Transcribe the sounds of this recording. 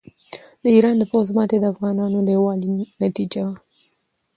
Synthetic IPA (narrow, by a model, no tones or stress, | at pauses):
d̪əiɾɑnd̪əpozmɑt̪ed̪əafɣɑnɑnod̪əwɑlinat̪id͡ʒa